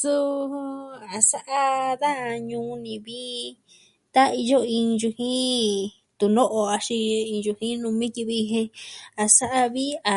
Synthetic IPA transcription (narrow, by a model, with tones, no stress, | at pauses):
su˦˧ | a˨sa˦ʔa˦ða˦a˧ɲũː˧nĩ˨βi˦ | t̪a˦i˧jo˦ĩ˧ʒu˧hĩ˦ | t̪u˨nõ˦ʔo˧a˧ʃi˧ĩ˧ʒu˧hĩ˦nũ˧mĩ˦ki˧βi˧ɦẽ˧a˧sa˦ʔa˧βi˦a˨